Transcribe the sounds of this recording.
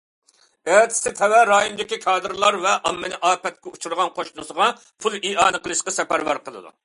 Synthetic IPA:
æt̪ʰɪ̥sɪt̪ʰɛwɛɾɑːjonɨd̪ɪkʲikʰɑːd̪ɨɾlˠɑɾvɛʔɑmːɪnɪʔɑːpɛt̪̚kʲɛut͡ʃʰuɾʁɑnqʰoʃnusəʁɑ | pʰulˠiɑːnɨqəlˠɨʃqɑsɛpæɾvæ̰ɾqəlˠɨ̰d̪ṵ

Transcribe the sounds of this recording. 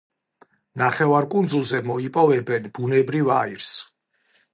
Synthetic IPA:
naχɛvaɾkʼund̪zulˠzɛmɔipʼɔvɛbɛnb̥unɛbɾivaiɾs

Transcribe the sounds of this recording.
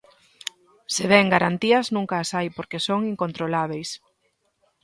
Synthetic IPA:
seβɛŋɡaɾant̪iɐznũŋkaːsajpoɾkesoŋiŋkont̪ɾolaβ̞ejs

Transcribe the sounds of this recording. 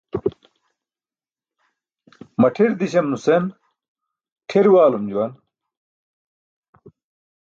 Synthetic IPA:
mɐʈʰiɾd̪iɕɐmnusen | ʈʰiɾwaːlumd͡ʑuwɐn

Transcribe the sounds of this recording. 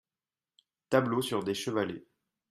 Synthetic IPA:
t̪ablosyʁd̪eʃəvalḛ

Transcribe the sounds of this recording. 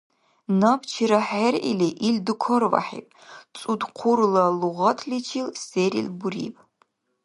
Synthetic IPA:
nɐpt͡ʃʰiɾɐħerʔḭliʔildɨkʷʰɔrva̰ħḭːpʼt͡sʼudqʷʰʊrlɐluʁɐtʰlit͡ʃʰilseːɾḭlbuɾḭpʼ

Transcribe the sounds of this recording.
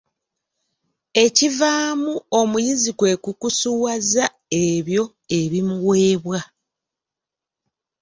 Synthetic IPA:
e̞civaːmuomujizikwe̞kukusuwaza | eβjo̞ | e̞βimuweːβwa

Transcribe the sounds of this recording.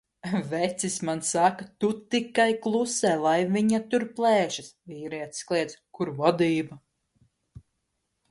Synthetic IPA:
vɛt̪sismansakat̪ut̪ikajklˠusɛːlˠajviɲat̪uɾplˠɛːʃasviːɾiɛt̪sklˠiɛt̪skuɾvɔd̪iːbɐ

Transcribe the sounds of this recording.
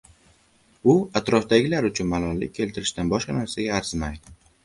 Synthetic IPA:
ʊat̪ɾɒfd̪aɡʲɪlaɾʊt͡ʃʰʊnmalˠɒlːɪ̰k̚ʲʰːe̞lt̪ʰɪɾɪʃt̪anbɒʃqɑnasaɡʲaːɾz̥majd̪ɪ

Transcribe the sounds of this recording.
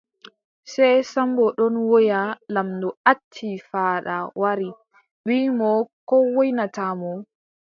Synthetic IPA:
sɛjsambɔɗɔnwɔjalamdɔatʰːifaɗawaɾi | ɓiːmɔkɔwɔjnatamɔ

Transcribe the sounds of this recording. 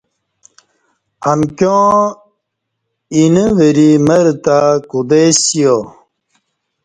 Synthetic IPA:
ɐmkjõ | inəʋeɾiməɾt̪akud̪esijo

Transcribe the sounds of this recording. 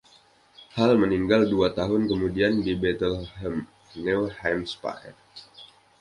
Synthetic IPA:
halməniŋɡalduat̪aɦʊnkəmudiandibɛt̪əlhɛm | nɛwhamspa̰ɛ̰r

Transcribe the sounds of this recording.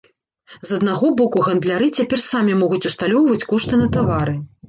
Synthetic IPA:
zɐd̪naɣɔbɔkuɣɐnd̪lʲaɾɨt͡sʲapʲɛrsamʲimɔɣut͡sʲust̪alʲɔwvɐt͡sʲkɔʂt̪ɨnɐt̪avaɾɨ

